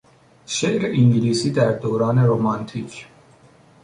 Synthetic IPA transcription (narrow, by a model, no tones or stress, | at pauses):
ʃeʔɾeʔiŋɟiliːsiːd̪æɾd̪oːɾɒːne̞ɾomɑnt̪ʰiːcʰ